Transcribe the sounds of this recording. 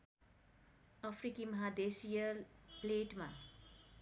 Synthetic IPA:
ʌpʰrikimʌɦad̪esijʌlpleʈma

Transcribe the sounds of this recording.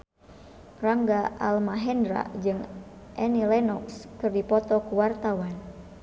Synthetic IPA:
raŋɡaʔalmaɦɛndɾa̰d͡ʒɨŋ | ʔɛnilɛnɔkskɨrdipɔt̪ɔkuwart̪awan

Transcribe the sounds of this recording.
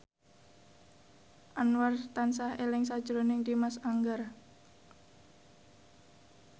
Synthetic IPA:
ʔanwart̪ansahelɪŋsad̥ʒ̥ɾonɪŋd̪imasaŋɡar

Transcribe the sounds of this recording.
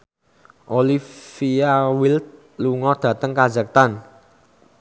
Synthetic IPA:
ʔolifiawilt̪̚ | luŋɔd̪̥ä̤t̪əŋkḁd͡ʒək̚t̪an

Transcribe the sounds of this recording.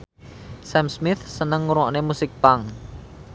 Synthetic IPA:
sɛmsmɪθsənəŋːuɾuɔʔnemusɪk̚paŋ

